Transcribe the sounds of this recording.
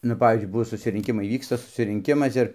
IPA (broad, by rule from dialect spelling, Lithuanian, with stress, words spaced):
nʊ ˈpɑːʋʲiːzʲd͡ʒʲʊɪ ˈbʊʋoː sʊsʲɪrʲɪŋʲˈkʲɪmɐɪ ˈʋʲiːkstɐ sʊsʲɪrʲɪŋʲˈkʲɪmɐs ˈɪr